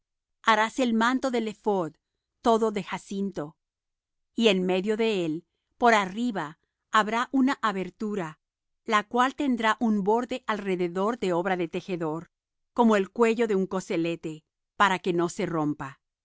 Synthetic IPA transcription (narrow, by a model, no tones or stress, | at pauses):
aɾaselmant̪o̞ðele̞foð | t̪o̞ðoðe̞xasint̪o̞ | ienme̞ðjo̞ðe̞el | po̞ɾariβaː | βɾaʔunaʔaβe̞ɾt̪uɾa | lakwalt̪e̞nd̪ɾaʔumbo̞ɾðe̞ʔalre̞ðe̞ðo̞ɾðe̞o̞βɾaðe̞t̪e̞xe̞ðo̞ɾ | ko̞mo̞e̞lkwe̞ʝo̞ðe̞uŋko̞se̞le̞t̪e̞ | paɾake̞no̞se̞ro̞mpa